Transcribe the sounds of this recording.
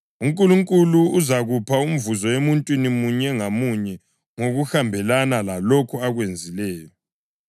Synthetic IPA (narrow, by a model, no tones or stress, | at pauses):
uŋkʼuluŋkʼuluuzaɣupʰaum̩vuzɔemuntʼwinimuɲɛŋamuɲɛ | ŋoɣuxambʱɛlanalalokʰuaɣwend͡zʱilɛːjɔ